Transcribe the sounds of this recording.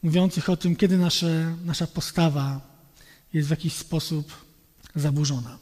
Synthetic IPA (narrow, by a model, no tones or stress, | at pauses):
muvʲjɔnt̪sɘxɔt̪ɘmkʲɛd̪ɘnaʂɛnaʂapɔst̪ava | jɛst̪vjakʲiɕspɔsup | zabuʐɔna